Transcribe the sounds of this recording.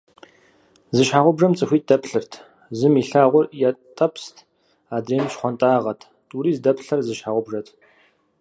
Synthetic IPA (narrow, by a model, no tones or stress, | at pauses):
zɨʃħaːʁʷʊbʐɐmt͡sʼɨxʷiːt̚dɐpɬɨrtʰ | zɨmiːɬaːʁʷʊrjatʼɐpstʰ | aːdreːmɨʃχʷɔntʼaːʁɐtʰ | tʼuɾiːzdɐpɬɐrzɨʃħaːʁʷʊbʐɐtʰ